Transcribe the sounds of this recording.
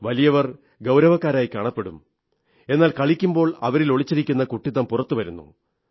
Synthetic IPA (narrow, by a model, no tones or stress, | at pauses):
ʋɐlijɐʋɐr | ɡɐwɾɐʋɐkːaːɾaːjkaːɳɐpːe̞ɽum | e̞nːaːlkɐɭikʲːumbo̞ːɭɐʋɐɾilo̞ɭit͡ɕːiɾikʲːunːɐkuʈːiðɐmpurɐt̪ːuʋɐɾunːṵ